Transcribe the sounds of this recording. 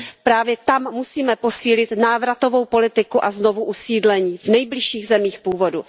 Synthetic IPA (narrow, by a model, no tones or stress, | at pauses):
pɾaːvjɛt̪amːusiːmɛpo̞siːlɪt̪naːvɾat̪o̞vo̞wpo̞lɪt̪ɪkuʔazno̞vuʔusiːdlɛɲiːvnɛjblɪʃiːɣzɛmiːxpuːvo̞du